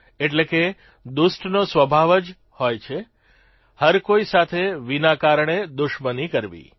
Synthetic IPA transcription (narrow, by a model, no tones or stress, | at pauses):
eʈleke | d̪ʊsʈnosʋəbʱaʋəd͡ʒ | hojt͡ʃʰe | həɾkoisat̪ʰeʋinakaɾɳ̃ed̪ʊʃmənikəɾʋḭ